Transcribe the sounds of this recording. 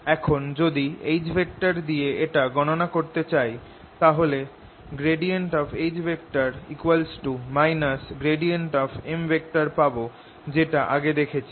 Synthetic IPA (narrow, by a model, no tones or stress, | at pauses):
ɛkʰond͡ʑod̪iejd͡ʑbʱek̚ʈaɾd̪ieeʈaɡɔnonakoɾt̪et͡ɕaj | t̪aɦole | ɡɾeɖieɳʈɔbʰejd͡ʑbʱek̚ʈaɾikuwalsʈumajnasɡɾeɖieɳʈɔbembʱek̚ʈaɾpabo | d͡ʑeʈaʔaɡed̪ekʰet͡ɕʰe